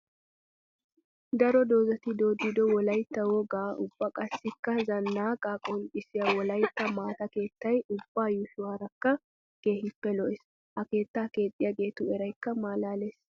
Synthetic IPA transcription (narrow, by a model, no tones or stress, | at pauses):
d̪ɐɾɔd̪o̞ːzɐt̪ɪd̪o̞ːd̪ːɪd̪ɔwɔlɐjt̪ːɐwɔɡaːʊb̥ːɐkʼɐsːɪkːɐzɐnːaːkʼaːkʼolɪsɪjɐwɔlɐjt̪ːɐmaːt̪ɐke̞ːt̪ːɐjʊb̥ːaːjʊʃʊwaːɾɐkːɐ | ɡ̥e̞ːhɪpːɛlɔʔɛs | ʔɐke̞ːt̪ːaːke̞ːt̪ʼːɪjaɡe̞ːt̪ʊɛɾɐjkːɐmaːlaːleːs